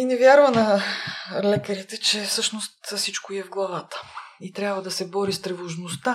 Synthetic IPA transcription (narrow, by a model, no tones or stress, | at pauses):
inɛvjaɾvɐnɐ | lɛkəɾit̪ɛt͡ʃɛfsɤʃnost̪fsit͡ʃkoiɛvɡlˠɐvat̪ə̥it̪ɾʲjabvəd̪ɐsɛbɔɾist̪ɾɛvoʒnost̪a